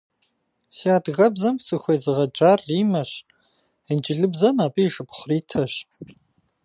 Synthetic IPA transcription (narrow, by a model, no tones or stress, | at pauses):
siaːdɣɐbzɐmsɨxʷejzɨʁɐd͡ʒʼaːrːiːmɐɕ | ənd͡ʒʼɪɮɨbzɐmaːpʼiʂɨpχʷriːtʰɐɕ